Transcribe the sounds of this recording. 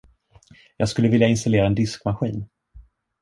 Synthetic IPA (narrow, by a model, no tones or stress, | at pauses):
jɑːɡskɵlːəvɪljaɪnst̪aleːɾaɛnd̪ɪskmaɧiːn